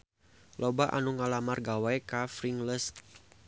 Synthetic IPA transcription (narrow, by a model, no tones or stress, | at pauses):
lʔɔbaʔa̰nuŋalamarɡawajkafɾiŋləs